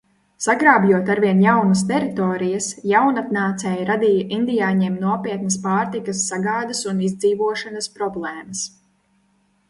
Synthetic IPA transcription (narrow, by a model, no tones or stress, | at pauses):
saɡɾaːbjuɔt̪aɾviɛnjawnɐst̪ɛɾit̪ɔːɾijəsjawnat̪naːt̪sɛːjɾad̪iːjaʔind̪ijaːɲɛmnuɔpiɛt̪nɐspaːɾt̪ikɐsːaɡaːd̪ɐsunizd̪ziːvuɔʃanɐspɾɔblˠɛːmɐs